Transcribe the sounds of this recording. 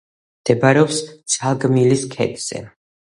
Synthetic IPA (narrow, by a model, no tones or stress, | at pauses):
md̪̥ɛbaɾɛɔpssʰalˠɡmiliskʰɛ̰t̪ʼz̥ɛ̰